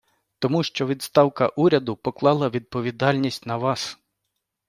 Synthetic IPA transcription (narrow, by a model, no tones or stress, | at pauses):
t̪ɔmuʃt͡ʃɔʋʲid̪st̪ɑwkɐʔuɾʲɐd̪ʊpɔklˠɑlˠɐʋʲid̪̚pɔʋʲid̪ɑlʲnʲisʲtʲnɐʋɑs